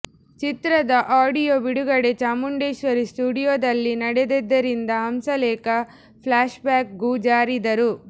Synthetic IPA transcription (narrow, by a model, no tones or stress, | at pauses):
t͡ʃit̪ɾɐd̪ɐʔaːɖijoːbiɽuɡɐɽe̞t͡ʃaːmuɳɖeːʃʋɐɾisʈuːɽijoːd̪ɐlːinɐɽed̪ed̪ːɐɾind̪ɐɦɐmsɐlɛːkɐ | pʰlaːʃbaːk̚ɡud͡ʒaːɾid̪ɐɾu